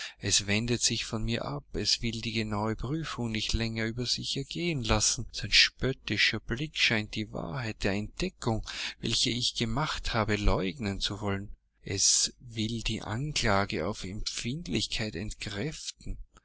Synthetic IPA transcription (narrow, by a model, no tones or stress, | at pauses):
ʔɛsv̥ɛndətz̥ɪçfɔnmiːɐʔapɛsv̥ɪldiːɡənaʊəpʁyːfʊŋnɪçtlɛŋɐyːbɐzɪçɛɐɡeːənlasn̩z̥aɪnʃpœtɪʃɐblɪkʃaɪnt̚d̥iːva̰ɐhaɪt̚d̥eːɐɛnt̚d̥ɛkʰʊŋvɛ̰lçəɪçɡ̥əmaχthaːbəlɔʏɡnənt͡suvɔlən | ʔɛsvɪldiːʔa̰nkl̥aːɡəa̰ʊfɛmfɪntlɪçkʰaɪtɛntkʁ̥ɛftn̩